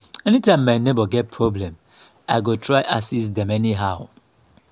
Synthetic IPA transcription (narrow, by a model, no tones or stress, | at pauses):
ɛnitãɪ̃mːaɪnebɔɡɛt̚pʰɹɔblɛ̃m | aɪɡotʰɹaɪʔasisdɛ̃mɛniɦaʊ